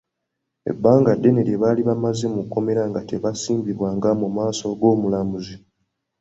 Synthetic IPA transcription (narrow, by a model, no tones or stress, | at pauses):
ḛbːaːŋɡadːe̞neɾeβaːliβamazimukːo̞me̞ɾaŋɡate̞βasiːmbiβwaːŋɡamumaːso̞ɡo̞ːmulamuzi